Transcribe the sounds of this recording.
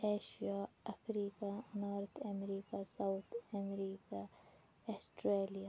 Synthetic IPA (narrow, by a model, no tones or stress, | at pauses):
eːʃijaɐfɾiːkaʊnaːɾt̪ɐmɾiːkasawt̪ʰɐmɾiːka | ɐsʈɾeːlija